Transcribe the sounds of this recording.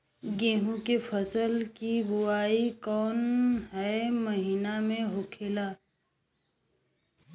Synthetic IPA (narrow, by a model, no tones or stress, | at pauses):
ɡẽːɦũkefʰəsəlkibʊaːikɔːnɦɛːmɐɦiːnamẽɦoːkʰeːlaː